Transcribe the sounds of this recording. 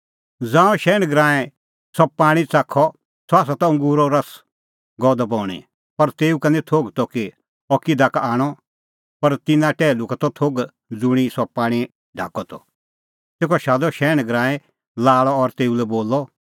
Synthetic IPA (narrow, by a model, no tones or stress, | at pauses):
d͡zãːɔ̃ʃɛːñɡɾãːɛ̃ | sɔpaːɽ̃it͡sakʰɔ | sɔaːs̬at̪ɔ̃ʊ̃ŋɡuːɾɔɾɐs | ɡɔːd̪ɔbɔːɽ̃ḭ | pɐɾt̪eːukɐnit̪ʰoːɡt̪ɔki | ɔkid̪ʱakaːɽ̃ɔ | pɐɾt̪ɪnãʈɛːlukat̪ɔt̪ʰoːɡ | d͡zʊɽ̃isɔpaːɽ̃i | ɖʱa̰ːkɔt̪ɔ̰ | t̪eːkɔʃaːd̪ɔʃɛːñɡɾãːɛ̃ | laːɭɔɔɾt̪eːulɛboːlːɔ